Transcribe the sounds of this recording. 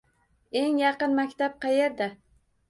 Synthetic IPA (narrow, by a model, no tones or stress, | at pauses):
e̞ŋjɑqɨnmakʲt̪ap̚qʰɑjeɾd̪a